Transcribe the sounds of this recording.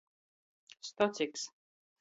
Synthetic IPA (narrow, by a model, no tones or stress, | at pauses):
st̪ɔt̪ʲiks